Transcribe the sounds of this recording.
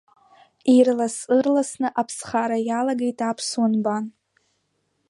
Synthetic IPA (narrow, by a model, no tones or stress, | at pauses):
irlasɨrlasnɨʔapʰsχaɾajalaɡejtʼapʰswanban